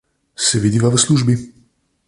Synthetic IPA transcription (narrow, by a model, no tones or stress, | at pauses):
sɛvid̪ivavəsluʒbi